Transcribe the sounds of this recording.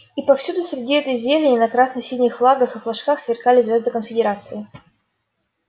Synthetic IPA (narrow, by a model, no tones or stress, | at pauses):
ipɐfsʲud̪ʊsʲɾʲɪdʲiɛt̪əjzʲelʲɪnʲɪnɐkɾasnɨxsʲinʲɪxflˠaɡəxɨflˠɐʂkaxsvʲɪrkalʲɪzʲvʲazd̪ɨkənfʲɪdʲɪɾat̪sɨɪ